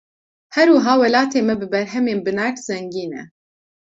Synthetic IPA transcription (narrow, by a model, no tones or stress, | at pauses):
hɛɾuːɦaːwɛlaːt̪ʰeːmɛbɨbɛɾɦɛmeːnbɨnaɾt̪z̥ɛŋɡiːnɛ̰